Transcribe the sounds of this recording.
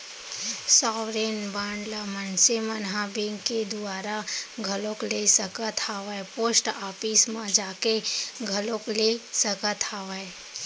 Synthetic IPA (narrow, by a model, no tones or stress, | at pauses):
saːʋɾeːnbãːɳɖləmənsemənɦãbẽŋɡked̪ʊaːɾaɡʱəlõklesəkət̪ʰaːʋəepoːsʈaːpismãd͡ʒaːkeɡʱəlõklesəkət̪ʰaːʋəe